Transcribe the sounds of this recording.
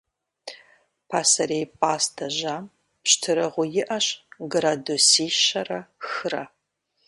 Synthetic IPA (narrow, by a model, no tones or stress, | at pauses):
pʰaːsɐreːjpʼaːstʰɐʒaːm | pɕtʰɨɾɐʁʷʊjɪʔɐɕɡraːdusiːʃɐrɐxɨɾɐ̰